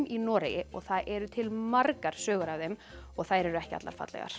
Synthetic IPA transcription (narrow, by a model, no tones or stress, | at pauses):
minɔːɾejɪɔɣθaðʔɛɾʏt̪ʰɪlmaɾkaɾ̥sœːɣʏɾavðejm | ɔɣθaðɾɛɾʏɛhcɪat̪la̰ɾ̥fa̰t̪lɛ̰ɣa̰ɾ̥